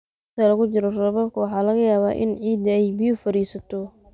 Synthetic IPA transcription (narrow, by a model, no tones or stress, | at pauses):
ɪt̪ʰɐlɐɣʊt͡ʃɪɾɔrɐβɐb̚kʰʊwɑħɑːlɐɣɐjaːβa̰ːʔɪ̰nʕiːd̪ɐɛjbɪjʊfɐɾiːsɐt̪ʰɔ